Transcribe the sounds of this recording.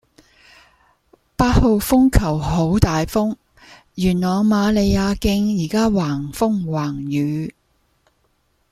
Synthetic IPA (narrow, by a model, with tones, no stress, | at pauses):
paː˧t̚ho˨˧wfʊ˥ŋkʰɐ˨˩wɦo˨˥wt̪aː˨jfʊ˥ŋ | jyː˨˩nlɔː˨˩ŋmaː˨˧le˨˧jaː˨˧kɪ˧ŋjiː˨˩kaː˥waː˨˩ŋfʊ˥ŋwaː˨˩ŋjyː˨˥